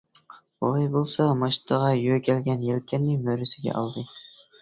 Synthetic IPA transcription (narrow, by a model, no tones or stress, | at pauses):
ojbolˠsɑmɑʃt̪ʰɑʁɑjøkʲʰælɡʲɛnjelkʲʰɛnːɪmøɾɪsɪɡʲɛ̰ʔɑ̰lˠd̪ɨ